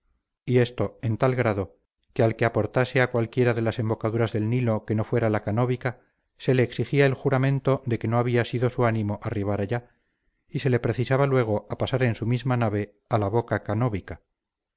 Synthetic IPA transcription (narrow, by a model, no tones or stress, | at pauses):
ie̞st̪o̞e̞nt̪alɣɾað̞o̞ | ke̞alke̞apo̞ɾt̪ase̞akwalkje̞ɾaðe̞lase̞mbo̞kaðuɾazðe̞lnilo̞ke̞no̞fwe̞ɾalakano̞βika | se̞le̞ːksixiaelxuɾamẽ̞nt̪o̞ðe̞ke̞noaβ̞iasiðo̞suanĩmo̞ʔariβ̞aɾaʎa | ise̞le̞pɾe̞θisaβalwe̞ɣ̞oapasaɾe̞nsumizmanaβe̞ | alaβo̞kakano̞βika